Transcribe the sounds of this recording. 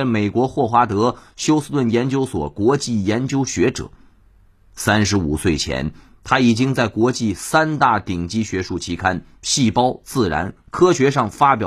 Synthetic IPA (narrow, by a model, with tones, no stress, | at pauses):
me˨˩ɪkwɔ˧˥xwɔ˥˩xwa˧˥t̪ɤ˧˥ɕjo˥ʊs̩˥t̪wə˥˩njɛ˧˥nt͡ɕjo˥ʊswɔ̰˨˩kwɔ˧˥t͡ɕi˥˩jɛ˧˥nt͡ɕjo˥ʊɕɥɛ˧˥ʈ͡ʂɤ̰˨˩˦ | sa˥nʂɻ̩˧˥u˨˩swe˥˩ɪt͡ɕʰjɛ̰˧˥n | t̪ʰa˥i˨˩t͡ɕi˥ŋt͡sa˥˩ɪkwɔ˧˥t͡ɕi˥˩sa˥nt̪a˥˩t̪i˨˩ŋt͡ɕi˥ɕɥɛ˧˥ʂu˥˩t͡ɕʰi˧˥kʰa˥n | ɕi˥˩pɑ˥ʊt͡sɹ̩˥˩ɻa̰˧˥nkʰɤ˥ɕɥɛ˧˥ʂɑ˥˩ŋfa˥pjɑ˨˩